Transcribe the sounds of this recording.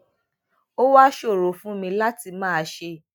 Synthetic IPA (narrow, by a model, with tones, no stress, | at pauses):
o˦wa˦ʃo˦˨ɾo˨fũ˦mĩ˧la˦ti˧mãː˦˧ʃe˦˨